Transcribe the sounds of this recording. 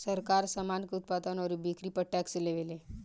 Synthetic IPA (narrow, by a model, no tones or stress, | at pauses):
səɾkaɾsəmankeut̪̚pad̪ənɔːɾibikɾipəʈɛksleʋele